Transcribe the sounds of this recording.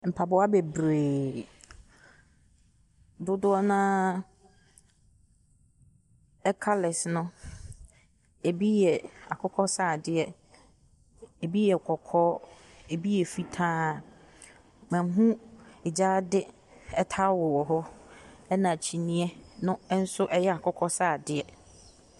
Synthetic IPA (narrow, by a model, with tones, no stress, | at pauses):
m̩˨pʰa˨bɔ˨˦a˦bɛ˨bɾeː˨ | dʊ˦dʊ˦ɔ˦nã˦ | ɛ˦kʰa˦lɪ˨snʊ̃˦ | e˨bi˦jɛ˨a̰˨kʰɔ˦kʰɔ˦saː˦˨dɪ˦ɛ˨ | e˨bi˦jɛ˨kʰɔ˨kʰɔː˦ | e˨bi˦jɛ˨fi˦tʰãː˦˨ | mɛ̃˨˦ɦũ˦ɛ˨d͡ʑaː˦dɪ˦ | ɛ˦tʰa˦wɔ˨wɔ˨ɦɔ˦ɛ˦nã˨t͡ɕʰi˨nĩ˦ɛ˦nʊ̃˦n̩˦sʊ˦ʔɛ˦jɛ˦a˨kʰɔ˦kʰɔ˦saː˦˨dɪ˨ɛ˨